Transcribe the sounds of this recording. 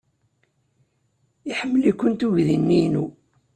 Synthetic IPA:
iħəmːəlikʷːənt̪uʝðinːinu

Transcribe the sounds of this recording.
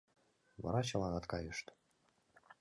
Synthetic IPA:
vɑ̰ɾɑt͡ɕɑlˠɑnɑt̪kɑjɤʃt̪

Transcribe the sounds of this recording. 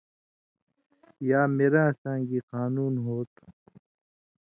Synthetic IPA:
jaːmeːɾãːsãːɡiːqaːnuːnɦoːt̪̚

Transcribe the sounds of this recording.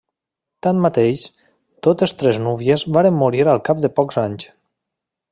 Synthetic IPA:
t̪anmat̪eʃ | t̪ot̪est̪ɾeznuβjezβaɾemːuɾiɾalˠkap̚d̪epɔkzaɲt͡ʃ

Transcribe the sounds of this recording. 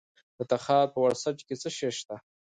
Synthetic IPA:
d̪̥ət̪aχapəwaɾsaʈ͡ʂkʲet͡səʃeʃt̪a

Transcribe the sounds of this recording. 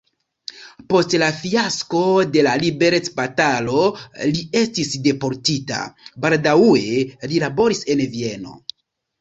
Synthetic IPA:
po̞stlafiasko̞de̞lalibe̞ɾe̞t͡sbatalo̞lie̞stisde̞po̞ɾtita̰baldaue̞lilabo̞ɾise̞nvie̞no̞̰

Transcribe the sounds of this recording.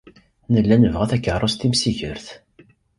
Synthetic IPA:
nəlːænəvʁæθækːərˤost̪imsiçəɾθ

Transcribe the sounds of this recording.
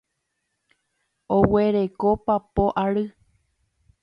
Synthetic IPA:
oweɾe̞kopapoʔaɾɨ

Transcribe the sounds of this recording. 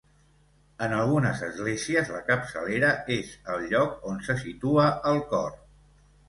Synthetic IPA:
ənəlˠɣunəzəzɣleziəzləkəpsəleɾəezəlʎɔkonsəsit̪uəʔəlˠkɔ̰r

